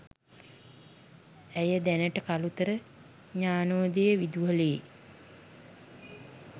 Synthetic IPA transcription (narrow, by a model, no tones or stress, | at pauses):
æjəd̪ænəʈəkalut̪əɾə | ɲaːnoːd̪ejəʋid̪uʋəle